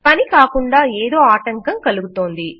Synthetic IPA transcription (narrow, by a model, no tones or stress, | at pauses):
pɐnikaːkuɳɖaːeːd̪o̞ːaːʈɐŋkɐmkɐluɡut̪o̞ːnd̪i